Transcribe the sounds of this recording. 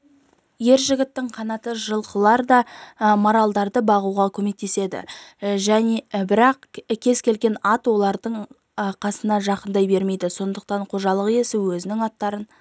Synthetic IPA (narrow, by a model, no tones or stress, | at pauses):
je̞ɾʒɪɡʲɪt̪ːɪɴqʰɑnɑt̪əʒəlˠqəlˠɑɾd̪ɑmoɾalˠd̪ɑɾd̪əbɑʁuʁɑkʲʰɵme̞k̚t̪e̞se̞d̪ɪ̰ʒænebɪɾɑqkʲʰe̞z̥kʲʰe̞lɡʲe̞nɑt̪wo̞lˠɑɾd̪əɴ | qʰɑsənɑʒɑqənd̪ɑjbe̞ɾme̞jd̪ɪso̞nd̪əq̚t̪ɑɴqʰo̞ʒɑlˠəʁje̞sɪwɵzɪnɪŋɑt̪ːɑɾən